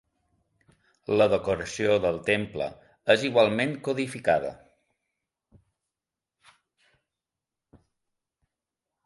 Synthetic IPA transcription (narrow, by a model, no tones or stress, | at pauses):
ləðəkuɾəsioðəlˠt̪emplə̰ | eziɣwalˠmeŋkuðifikaðə̰